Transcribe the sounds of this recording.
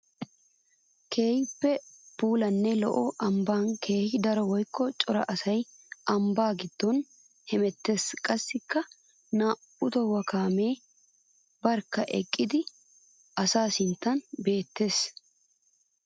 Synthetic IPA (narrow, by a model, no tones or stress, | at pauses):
kʰe̞ːhɪpːɛpuːlɐnːɛlɔ̰ʔɔʔɐmbaːnkʰe̞ːhɪd̪ɐɾɔwɔjkːɔt͡ʃʼɔɾɐ̰ʔɐsɐjɐmbaːɡɪd̪̥ːɔn | hɛmɛt̪ːe̞ːskʼɐsːɪkːɐ | naː | ʊt̪ɔwɐkaːmeː | bɐɾkːɐʔɛ̰kʼːɪd̪ɪ | ʔɐsaːsɪnt̪ːɐnbe̞ːt̪ːe̞ːs